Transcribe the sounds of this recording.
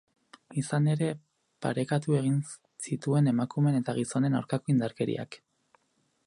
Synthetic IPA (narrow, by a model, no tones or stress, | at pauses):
isane̞ɾe̞ | pa̰ɾe̞kat̪ue̞ɣ̞in | sit̪ue̞ne̞makume̞net̪aɣ̞iso̞ne̞na̰wɾkako̞ind̪aɾke̞ɾḭʔa̰k